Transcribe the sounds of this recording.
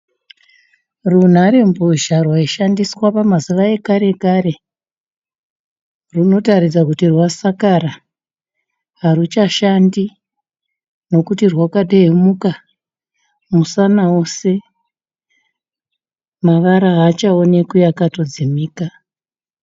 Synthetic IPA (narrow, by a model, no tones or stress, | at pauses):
run̤aɾemboʒarwaiʃandiswapamaziʋae̞kaɾe̞kaɾe̞ | runo̞taɾid͡zakutirwasakaɾa | ɦarut͡ʃaʃandi | no̞kutirwakaɗeemuka | musanaose̞ | maʋaɾaɦat͡ʃaonekujakato̞d͡zimiːka